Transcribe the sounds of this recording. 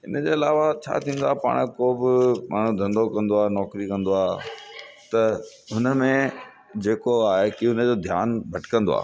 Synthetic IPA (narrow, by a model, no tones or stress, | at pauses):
ɦɪnəd͡ʑeːɐlaːʋat͡ɕʰa̰ːt̪ʰĩːnd̪oaːɦpa̰ːɽ̃koːbɪmʔaːɽ̤̃ũd̪ʱɐ̃nd̪okɐ̃nd̪oaːnɔːkɾikɐ̃nd̪oaː | t̪ɐ | ɦʊnə̆mẽ | d͡ʑeːkoaːɦekiɦʊnə̆d͡ʑoːd̪ʱjaːnbʱɐʈkə̃nd̪o̰a̰ː